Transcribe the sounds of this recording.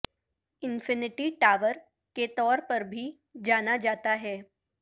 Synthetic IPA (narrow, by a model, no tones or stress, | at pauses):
ɪnfɪnɪʈiʈaʋəɾ | ket̪ɔːɾpəɾbʱiː | d͡ʑañad͡ʒat̪aɦɛ